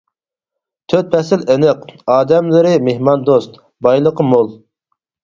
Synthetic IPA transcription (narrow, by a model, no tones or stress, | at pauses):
t̪ʰøt̪̚pʰɛsɪlenɪqɑːd̪ɛmlɨɾɪmehmɑnd̪ost̪ | bɑjlˠəqəmolˠ